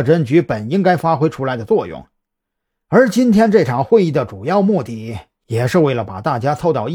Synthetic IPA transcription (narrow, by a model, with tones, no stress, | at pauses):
ʈ͡ʂə˥nt͡ɕy˧˥pə˨˩ni˥ŋka˥ɪfa˥xwe˥ɪʈ͡ʂʰu˥la˧˥ɪd̪ə˧t͡swɔ˥˧jʊ̰˥˩ŋ | ə˞˧˥t͡ɕi˥nt̪ʰjɛ˥nʈ͡ʂɤ˥˩ʈ͡ʂʰɑ˨˩ŋxwe˥˧ni˥˩d̪ə˩ʈ͡ʂu˨˩jɑ˥˧ʊmu˥˧t̪i˥˩ | jɛ˨˩ʂɻ̩˥˧we˥˩ɪlə˩pa˨˩t̪a˥˩t͡ɕja˥t͡sʰo˥˧ʊt̪ɑ˥˧ʊ˥